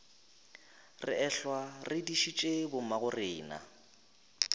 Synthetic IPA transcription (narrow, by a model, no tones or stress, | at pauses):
rɪ̰ɛɬwarɪdiʃit͡ʃʼebʊmaɣʊrɪːna̰